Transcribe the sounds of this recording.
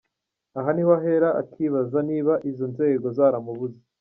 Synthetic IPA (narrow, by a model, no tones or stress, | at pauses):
aɦaniwaɦe̞ɾaʔa̰kʰiβazaniːβaʔizonze̞ːɡo̞zaːɾamuβuze